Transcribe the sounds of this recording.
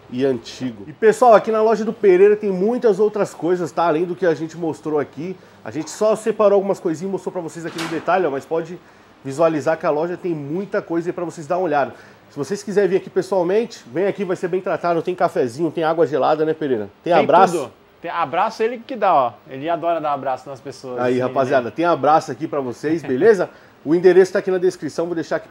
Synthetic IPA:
ɪɐ̃t͡ʃiɡʊɪpesuawakinɐlɔʒɐd̪ʊpeɾeɾɐt̪ẽj̃mũj̃t̪ɐzowt̪ɾɐskojzɐst̪aːlẽj̃d̪ʊkɪaʒẽnt͡ʃɪmost̪ɾoaki | a̰ʒẽnt͡ʃɪ̥sɔsepaɾoawɡũmɐskojzĩɲɐmost̪ɾopɾɐvosejzakinʊd̪et̪alɪɔmɐspɔd͡ʒɪ | vizualizaɾkɪalɔʒɐt̪ẽj̃mũj̃t̪ɐkojzɐipɾɐvosejzd̪aɾũoʎad̪ɐ | sɪvoseskizɛɾvĩɾakipesuawmẽnt͡ʃɪ̥vẽj̃akivajseɾbẽj̃t̪ɾat̪ad̪ʊt̪ẽj̃ʊ̃kafɛzĩɲʊt̪ẽj̃aɡwɐʒelad̪ɐnɛpeɾeɾɐt̪ẽj̃ãbɾasd̪ʊ | t̪ẽabɾasʊelɪkɪd̪aɔelɪad̪ɔɾɐd̪aabɾasʊnɐspesoɐzaihapaziad̪ɐt̪ẽj̃abɾasʊakipɾɐvosejsbelezɐ | ʊĩd̪eɾesʊkt̪akinɐd̪eskɾisɐ̃w̃vod̪ejʃaɾki̥

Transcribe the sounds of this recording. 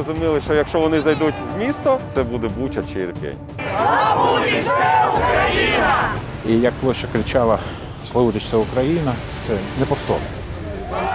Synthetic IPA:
ɔzʊmʲilˠɪʃt͡ʃɔjɐkʃt͡ʃɔʋɔnɪzɐjd̪utʲʋmʲist̪ɔt̪sɛbud̪ɛbutʲɐt͡ʃɪrpʲḛnʲ | aukɾɐjin | ijɐk̚plˠɔsʲt͡ʃɔkɾɪt͡ʃɑlˠɐ | slˠɐʋud̪ʲɪt͡ʃsʲɐʊkɾɐjinɐ | t̪sɛnɛpɔwt̪ɔ̰rnɔ

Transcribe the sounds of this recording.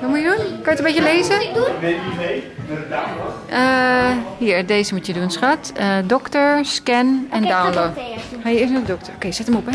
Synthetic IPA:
ʋɔtmujədunkɔnjətəbecjəleːzə | əhiəɹdeːzəmutjədunsxatədɔktəɹskɛnɛndawnlohɛjɪsnədɔk̚təokʰeːsɛtəmop

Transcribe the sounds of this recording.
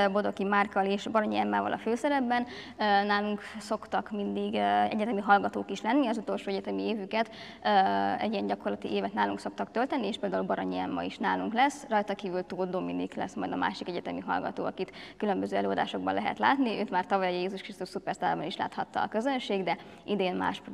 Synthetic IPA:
bo̞d̪o̞kimaːrkɒleːʃbɒɾoɲiɛmːaːvɒ̰lʔɒ̰føːsɛɾɛbːɛnː | naːluŋkso̞kt̪ɒkmind̪iɡɛ̰ɟɛt̪ɛmiɦɒlɡɒt̪oːkiʃlɛnːiɒzut̪o̞lʃoːɛɟɛt̪ɛmieːvykɛt̪ː | ɛ̰ɟijɛnɟɒko̞rlɒt̪ḭʔeːvɛt̪naːluŋkso̞kt̪ɒkt̪ølt̪ɛnːieːʃpeːld̪aːulbɒɾoɲiɛmːɒ̰iʃnaːluŋklɛsrɒjt̪ɒkiːvylt̪oːd̪ominḭklɛ̰smɒjd̪ɒma̰ːʃikɛɟɛt̪ɛmiɦɒ̰lɡɒ̰t̪o̰ːɒkit̪kylø̞mbøzøːɛløːɒd̪a̰ːʃo̞ɡ̚bɒnlɛɦɛ̰t̪la̰ːt̪niʔøːt̪maːrt̪ɒvɒjjjeːzuʃkrist̪uʃsupɛrst̪aːbɒniʃla̰ːt̪hɒt̪ːɒ̰ːkøzønʃeːɡd̪ɛ | ʔid̪eːnma̰ːʃp

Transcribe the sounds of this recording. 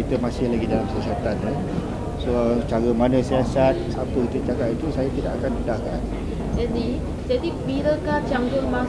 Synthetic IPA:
it̪əmasɪhlaɡidalamsiasat̪anə | sot͡ʃaɾəmanəsiasat̪̚apəkit̪ət͡ʃakat̪it̪usajat̪ida̰ʔakanudahkan | d͡ʒad̪i | d͡ʒad̪ibiɾəkat͡ʃampuɾma

